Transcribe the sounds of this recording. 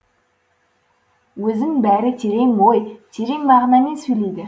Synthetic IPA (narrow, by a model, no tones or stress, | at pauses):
wɵzɪŋbæɾɪt̪ʰe̞ɾe̞ŋbojt̪ʲʰe̞ɾe̞ŋmɑʁɑnɑme̞nsɵjlejd̪ɪ